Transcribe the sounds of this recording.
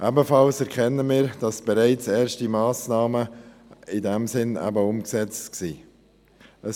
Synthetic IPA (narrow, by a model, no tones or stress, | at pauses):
ʔæbəfɑlsɛɾkχɛnːəmiːɾd̥ɑsb̥ɛɾæɪt͡sɛːɾʃtimɑːsnɑːmə | ɪdæmsɪnæ̰bəʊmksɛt͡stksiː | ʔə